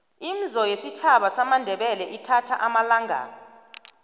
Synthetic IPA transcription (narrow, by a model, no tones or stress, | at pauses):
im̩zɔjesit͡ʃʰaɓasamandʱɛɓɛlɛʔitʰatʰaʔamalaŋʱa̰ːnɔ